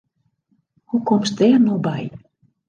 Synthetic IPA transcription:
hukɔms̚d̪ɛːrnɔbɛj

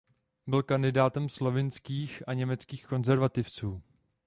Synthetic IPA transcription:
bɪlkandɪdaːt̪ɛmslo̞vɪnskiːxʔaɲɛmɛt͡skiːxko̞nzɛɾvat̪ɪft͡suː

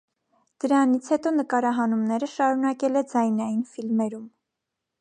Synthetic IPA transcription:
d̪̥əɾɑnit͡sʰhɛt̪ɔnəkɑɾɑɦɑnumnɛɾəʃɑɾunɑkɛlɛd͡zɑjnɑjinfilmɛɾum

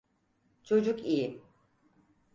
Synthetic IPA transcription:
t͡ʃʰo̞d͡ʒukiji

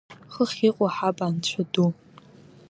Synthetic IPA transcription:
χəχʲiːqʷʼɔħabaːnt͡ɕʷʰʊdu

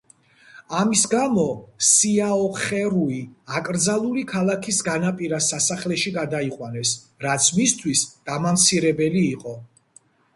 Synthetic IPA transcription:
amisɡamɔsiaɔχɛɾuiakʼɾd̪zalˠulikʰalˠakʰisɡanapʼiɾasasaχlɛʃiɡad̪aiqʼwanɛs | ɾat̪sʰmist̪ʰwisd̪̥amamt̪sʰiɾɛbɛliːqʼɔ

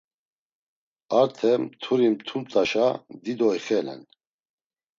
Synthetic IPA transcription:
aɾt̪ʰɛmt̪ʰuɾimt̪ʰumt̪ʼaʃad̪id̪ɔjχɛlɛ̰n

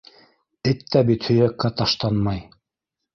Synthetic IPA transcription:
ɘt̪ːæbit̪hɵ̆jækːæt̪ɑʃt̪ɑnmɑj

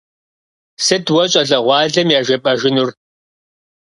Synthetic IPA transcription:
sɨdwɐt͡ʃʼɐɮɐʁʷɑːɮɐmjaːʒɐpʼɐʒɪnur

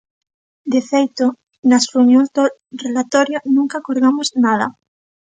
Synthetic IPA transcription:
d̪efejt̪o | nasreunjoŋzd̪orelat̪oɾjonũŋkakoɾɣamoznað̞a̰

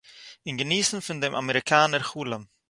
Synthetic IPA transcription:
ɪnɡəniːsn̩fɪndemʔa̰məɾɪkʰaːnəɾχuːləm

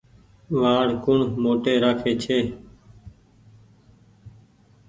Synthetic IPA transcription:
ʋaːɾkʊɳmoːʈeːɾaːkʰeːt͡ʃʰeː

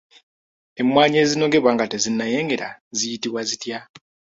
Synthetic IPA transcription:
e̞mːwaːɲe̞ːzino̞ɡe̞βwaŋɡate̞zinːaje̞ːŋɡe̞ɾa̰zijitiβwazitja

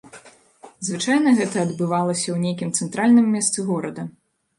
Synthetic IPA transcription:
zvɨt͡ʂajnɐɣɛt̪ɐːd̪bɨvalˠɐsʲɐwnʲejkʲimt̪sɛnt̪ɾalʲnɨmːʲɛst̪sɨɣɔɾɐd̪ɐ

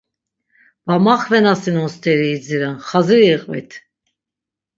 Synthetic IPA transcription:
vamaχvɛnasinɔnst̪ʰʼɛɾiːd͡ziɾɛnχaziɾiːqʼvɛ̰t̪ʰ

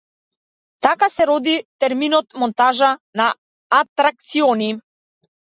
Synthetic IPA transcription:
t̪akasɛɾɔd̪it̪ɛɾminɔt̪mɔnt̪aʒanaː | t̪ɾak̚t̪siɔni

